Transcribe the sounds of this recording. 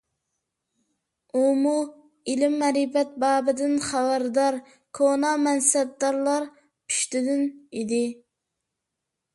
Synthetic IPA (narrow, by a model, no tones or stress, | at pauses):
umu | ilɪmːɛɾipɛt̪̚bɑːbɪd̪ɪnχæbæɾd̪ɑɾ | kʰonɑmɛnsɛb̚d̪ɑɾlˠɑɾ | pʰy̥ʃt̪ɪd̪ɪnid̪ɪ